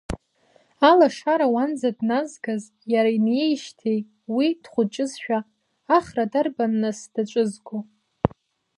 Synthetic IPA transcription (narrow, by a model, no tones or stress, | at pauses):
alaʂaɾawand͡zadnazɡaz | jaɾainjejʃtʰejtʼ | wid̥χʷʊt͡ʃʼɪzʃᶣaː | χradarbanːɨsd̥at͡ʃʷʼɨzɡʷo